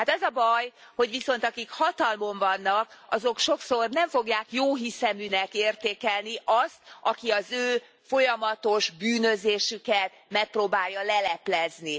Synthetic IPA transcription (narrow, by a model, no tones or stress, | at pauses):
hat̪ɛzɒbɒj | ho̞ɟʋiso̞n̪t̪ɒkikhɒt̪ɒlmo̞ɱvɒnːɒk̚ɒzo̞kʃo̞kso̞rnɛɱfo̞ɡjaːkjoːɦisɛmynɛkeːrt̪eːkɛlniʔɒst̪ɒkiɒzøː | fo̞jɒmɒt̪o̞ʒbyːnøzeːʃykɛt̪mɛk̚proːbaːjːɒlɛlɛplɛzni